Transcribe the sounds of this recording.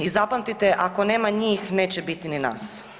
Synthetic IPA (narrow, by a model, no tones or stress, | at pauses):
izapamt̪it̪eʔako̞neːmaɲiːxneːt͡ɕebit̪inina̰ːs